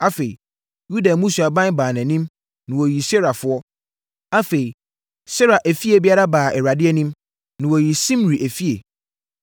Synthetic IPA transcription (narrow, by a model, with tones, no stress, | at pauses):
a˦fe˨i˨ | ju˦da˨mũ˦sa˨bã˦n˦baː˨nɛ̃˨nĩ˦m | nɪ̃˨wɔ˨ji˨sɛ˦ɾa˨fʊ˦ɔ˦ | a˦fe˨i˨ | sɛ˦ɾa˨ʔæ˨fi˦e˨bɪ˦a˦ɾa˦baː˨ɛ˨ɾa˨dɪ˦ɛ˦nĩ˦m | nɪ̃˨wɔ˨ji˨sĩ˦m˨ɾi˨ʔæ˨fi˦e˨